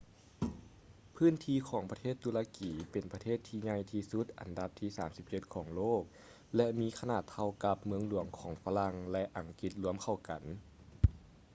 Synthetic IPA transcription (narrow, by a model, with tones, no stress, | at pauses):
pʰɯː˥˨nt̪ʰiː˧kʰɔː˩˦ŋpɾa˧t̪ʰeː˥˩t̪ːu˧laː˧kiː˨˦pe˨˩npa˧t̪ʰeː˥˩t̪ʰːiː˧ɲa˧jt̪ʰiː˧su˧˦t̪̚ʔa̰˨˩nda˧˦p̚t̪ʰiː˧˩saː˩˦msi˧˦˥p̚t͡ɕe˧t̪̚kʰɔː˩˦ŋloː˥˩k̚ | lɛ˧miː˧˥kʰa˧naː˧˩t̪ʰːa˧wka˧p̚mɯ˧əŋlu˧˩˦əŋkʰɔː˩˦ŋfaː˧la˧ŋlɛ˧ʔa˨˩ŋki˧˦t̪̚lu˧˦əmkʰa˧˩wka˨˩˦n